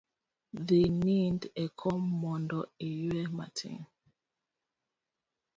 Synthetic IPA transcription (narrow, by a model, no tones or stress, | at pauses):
ðenindɛkʰɔmɔndɔijwɛma̰tʰḭ̃ŋ